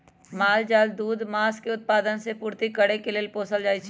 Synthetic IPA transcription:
maːld͡ʒaːld̪uːd̪maːskeʊt̪̚paːd̪ənsepuːɾt̪ikəɽekeleːlpoːsəld͡ʒaːit͡ʃʰ

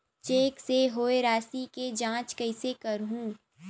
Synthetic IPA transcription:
t͡ʃeːkseɦoːeɾaːsiked͡ʒãːt͡ʃkɐɪsekɐɾɦũː

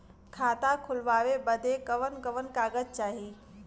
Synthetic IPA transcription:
kʰaːt̪akʰʊlʋaːʋebəd̪ʱekɐʋənkəʋənkaːɡət̪̚t͡ʃaːɦi

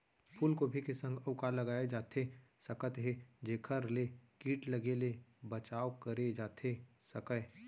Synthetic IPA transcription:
pʰulkobʱikesə̃ŋɡəʊkaləɡaːed͡ʒaːt̪ʰe | sɐkət̪ɦed͡ʒeːkʰəɾlekiːʈləɡelebət͡ʃaːwkəɾed͡ʒaːt̪ʰe | səkə

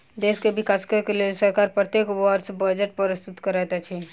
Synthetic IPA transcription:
d̪eːskebɪkaːskəkelsəɾkaːɾpɾət̪jeːkʋəɾsbəd͡ʒəʈ̚pəɾɪst̪ʊt̪kəɾɛt̪at͡ʃʰɛː

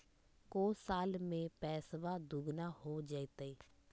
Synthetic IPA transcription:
koːsaːlmẽpɛːsʋad̪uɡnahɦod͡ʒaet̪eiː

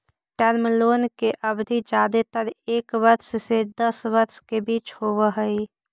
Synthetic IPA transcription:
ʈɛɾməloːnkeʔəbd̪ʱid͡ʒaːd̪et̪əɾeːkʋəɾssed̪əsʋəɾskebiːt͡ʃhowəɦəi

